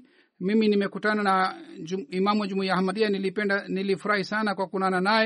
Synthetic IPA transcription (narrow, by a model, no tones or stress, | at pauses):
miminimɛkutanan | imamuad͡ʒumuijahamaɗialiɛdanilifuɾahisanakwakunananaj